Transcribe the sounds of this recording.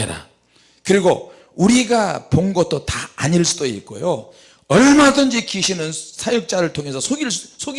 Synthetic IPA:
eɾa̰ | kɯɾiɡo | uɾiɡaponɡʌt̚t͈otaːɲiɭs͈udoik͈o̰jo | ʌɾmʌmadɯnd͡ʑikʰiɕʰinɯnsʰajuk̚t͡ɕ͈aɾɯɭtʰoŋɦe̞sʰʌsʰoɡissʰoɡ

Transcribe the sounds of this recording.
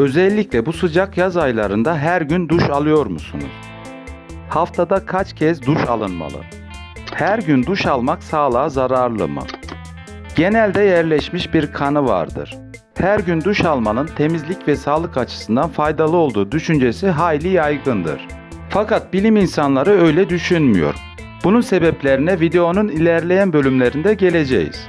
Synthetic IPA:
ø̞zɛlʲːiclʲɛbusɯd͡ʒakjazajlˠaɾɯnd̪aɦæɾɟynd̪uʃalˠɯjo̞ɾmusunṵz̥ | haft̪ʰad̪akʰat͡ʃcʰɛzd̪uʃalˠɯnma̰lˠɯ̰ | hæɾɟynd̪uʃalˠmaksaːlˠaːzaɾaɾlˠɯ̰mɯ̰ | ɟ̥e̞nælʲd̪ɛjæɾlʲɛʃmiʃbiɾkʰanɯva̰ɾd̪ɯ̰ɾ̥ | hæɾɟynd̪uʃalˠmanɯnt̪ʰe̞mizlʲicvɛsaːlˠɯkat͡ʃʰɯ̥sɯnd̪anfajd̪alˠɯo̞lˠd̪uːd̪yʃynd͡ʒe̞siɦaːjlʲijajɡɯnd̪ɯ̰ɾ̥ | fakʰat̪̚bilʲiminsanlˠaɾɯø̞jlʲɛd̪yʃynmy̰jo̞̰ɾ | b̥ununse̞bɛplʲe̞ɾinɛvid̪e̞o̞nunilʲæɾlʲe̞jænbølʲymlʲe̞ɾind̪ɛɟe̞lʲe̞d͡ʒḛjḭz̥

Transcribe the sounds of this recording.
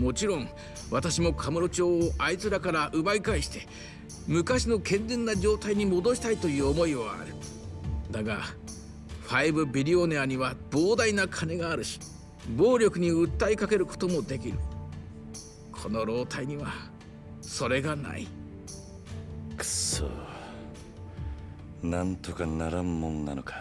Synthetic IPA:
mo̞t͡ɕiɾõ̞ŋ | βat̪aɕimo̞kʰamɯ̟ɾo̞t͡ɕo̞ːʔait͡sɨɾakaɾaʔɯ̟baikaiɕi̥t̪e̞ | mɯ̟kaɕino̞kʰẽ̞nd͡zẽ̞nːad͡ʑo̞ːt̪aiɲ̟imo̞d̪o̞ɕi̥t̪ait̪o̞jɯ̟ːomo̞iβaa̰ɾɯ̟ | d̪aɡa | ɸaibɯ̟bʲiɾʲio̞neaɲ̟iβab̥o̞ːd̪ainakʰane̞ɡaːɾɯ̟ɕi̥ | bo̞ːɾʲo̞kɯ̟ɲ̟iɯt̪ːaikake̞ɾɯ̟ko̞̥t̪omo̞d̪e̞kʲiɾɯ̟ | kʰo̞no̞ɾo̞ːt̪ʰaiɲ̟iβa | so̞ɾe̞ɡana̰ḭ | kso̰ | nãnt̪o̞kanaɾamːõnna̰no̞kḁ

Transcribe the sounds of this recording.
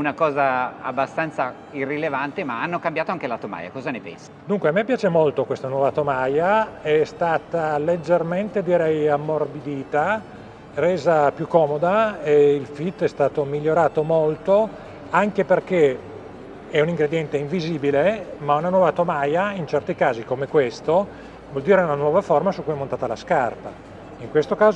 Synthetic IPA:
unakɔːzaa̰bːast̪ant̪sa | irːilevant̪emaanːokambjaːt̪oaŋkelat̪oma̰ːja̰kɔːzanepɛ̰nsḁd̪uŋkweamːepːjaːt͡ʃemolt̪okwest̪anwɔːvat̪omaːjaɛst̪aːt̪aled͡ʒːerment̪ed̪iɾɛjamːorbid̪iːt̪a | reːzapjukːɔːmod̪aeilfit̪ːɛst̪aːt̪omiʎːoɾaːt̪omolt̪o | aŋkeperk̟e | ɛuniŋɡɾed̪jɛnt̪eiɱviziːbilemaunanwɔːvat̪omajaint͡ʃɛrt̪ikaːzikomekwest̪o | vɔld̪iːɾeunanwɔːvaformasukːujɛmːont̪aːt̪ala̰skarpa̰ | iŋkwest̪okaːz

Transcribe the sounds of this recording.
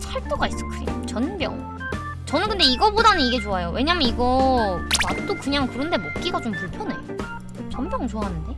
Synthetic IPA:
t͡ɕʰaɭt͈uɡais͈ʌ̥kʰɯɾḭmt͡ɕʌnbjʌ̰ŋ | t͡ɕʌnɯnkɯnde̞iɡʌbodanɯniɡe̞t͡ɕoajowe̞ɲamjʌniɡʌ | at͈okɯɲaŋkɯɾɯnde̞mok̚k͈iɡat͡ɕompuɭpʰjʌnḛjo | t͡ɕʌmbjʌŋt͡ɕoaɦanɯnde̞

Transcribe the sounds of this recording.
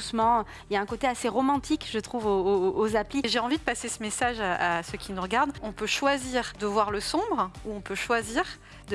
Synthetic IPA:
d̪usmɑ̃ | ljaɛ̃kot̪easeʁɔmɑ̃t̪ʰikʒət̪χuvoːzapliʒeɑ̃vid̪əpasesəmesaʒaasøkʲʰinuʁəɡaʁd̪ɔ̃pøʃwaziːʁd̪əvwaʁləsɔ̃bʁuɔ̃pøʃwaziʁ | d̪ə

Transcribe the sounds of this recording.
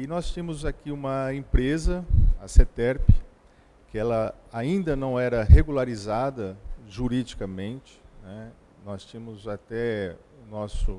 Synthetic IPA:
ɪnɔst͡ʃĩmʊzakiũmɐẽpɾezɐa̰set̪ɛɾpɪ | kɪɛlɐ | aĩnd̪ɐnɐ̃w̃ɛɾɐɦeɡulaɾizad̪ɐʒuɾid͡ʒikɐmẽnt͡ʃɪ̥nɛ | nɔst͡ʃĩmʊzat̪ɛ | ʊnɔsʊ

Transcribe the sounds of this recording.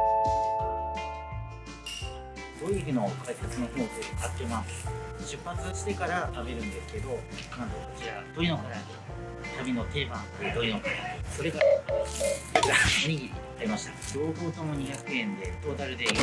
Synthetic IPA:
d̪̥oiikɯno̞kʰaisat͡sɨno̞çoːt͡sɨkat̪ːemasɨ̥ɕɨpːat͡sɨɕi̥t̪e̞kaɾat̪abe̞ɾɯ̟̃nd̪e̞sɨ̥ke̞d̪o̞nãnt̪oot͡ɕiad̪o̞ino̞kaɾai | t̪abʲino̞t̪e̞ːbãŋaid̪o̞inokaɾaso̞ɾe̞kaɾa | iamoɲ̟iɡʲii | aɾʲimaɕi̥t̪ado̞ːho̞ːt̪o̞moɲ̟içakɯ̟ẽ̞nd̪e̞t̪o̞ːt̪aɾɯ̟d̪e̞i

